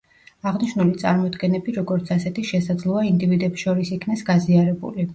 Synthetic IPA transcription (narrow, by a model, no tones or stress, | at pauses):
aʁniʃnulit̪sʼa̰ɾmɔd̪ɡɛnɛbiɾɔɡɔɾt̪sʰasɛt̪ʰiʃɛsad̪zlˠɔaind̪ivid̪ɛpsʃɔɾisikʰnasɡaziaɾɛbṵli